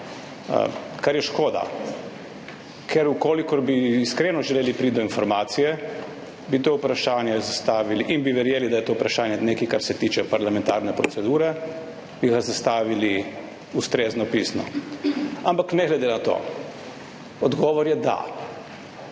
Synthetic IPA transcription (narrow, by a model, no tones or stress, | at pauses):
kaɾjɛʃkoːd̪a̰ | kʰɛɾukoːlikɔɾbiːskɾenɔʒɛleːlipɾiːd̪ɔinfɔɾmaːt̪sijɛ | bit̪oːupɾaʃaːnjɛzast̪aːʋiliʔinbiʋɛɾjeːlid̪ajɛt̪oːupɾaʃaːnjɛneːkikaɾsɛt̪iːt͡ʃɛpaɾlamɛnt̪aːɾnɛpɾɔsɛd̪uːɾɛ | b̥iɣazast̪aːʋili | ust̪ɾeːznɔpiːsnɔ̰ | ampaknɛɡlɛd̪enat̪o̰ː | ɔd̪ɡɔːʋɔɾjɛd̪a̰